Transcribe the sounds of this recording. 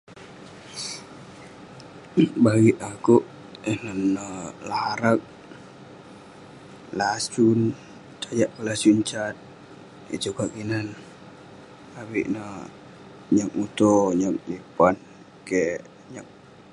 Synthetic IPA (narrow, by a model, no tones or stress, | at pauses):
baɡiʔ̪akuʔ | ənanːəlahaɾak̚ | lat͡ʃun | t͡ʃad͡ʒaʔkəlasuɲt͡ʃat̪̚ | ḭt͡ʃukaʔkinan | abiʔna | ɲak̚ut̪oɲak̚lipan | ke | ɲak̚